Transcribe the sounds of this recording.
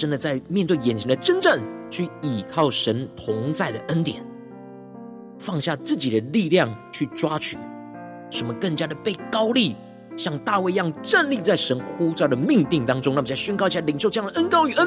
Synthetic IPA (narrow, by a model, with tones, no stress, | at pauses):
ʈ͡ʂə˥nd̪ə˨t͡sa˥˩ɪmjɛ˥˧nt̪we˥˩ɪjɛ˨˩nt͡ɕʰi˧˥d̪ə˨˩ʈ͡ʂə˥nʈ͡ʂə˥˩ŋt͡ɕʰy˥˩i˨˩kʰɑ˥˩ʊʂə˧˥nt̪ʰʊ˧˦˥ŋt͡sa˥˩ɪd̪ə˩ʔə˦˥nt̪jɛ̰˨˩˦n | fɑ˥˧ŋɕja˥˧t͡sɹ̩˥˩t͡ɕi˨˩d̪ə˦li˥˧ljɑ˥˨ŋt͡ɕʰy˥˩ʈ͡ʂwa˥t͡ɕʰy˨˩ | ʂə˧˥nmə˨kə˥˩ŋt͡ɕja˥d̪ə˨pe˥˩ɪkɑ˥ʊli˥˩ | ɕjɑ˥˧ŋt̪a˥˧we˥˧ɪjɑ˥˧ŋʈ͡ʂə˥˧nli˥˧t͡sa˥˩ɪʂə˧˦˥nkʰu˥t͡sɑ˥˩d̪ə˩mi˥˧ŋt̪i˥˩ŋt̪ɑ˥ŋʈ͡ʂʊ˥ŋna˥˩mə˩t͡sa˥˩ɕɥɛ˥˧nkɑ˥ʊt͡ɕʰi˨˩a˥˩li˨˩ŋnʂo˥˧ʊʈ͡ʂjɑ˥ŋd̪ə˩ʔə˥nkɑ˥ʊy˨˩ə˦˥n